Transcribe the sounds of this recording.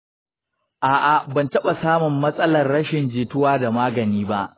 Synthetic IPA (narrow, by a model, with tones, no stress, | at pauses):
ʔaː˨ʔa˨bɐ˨ntɐ˦ɓa˨saː˦mʊ˨mːɐ˦sʼɐ˦lɐ˨rːɐ˦ʃɪ˨nd͡ʒeː˨tʊ˦waː˦da˨maː˦ɡɐ˨niː˦ba˦ʔ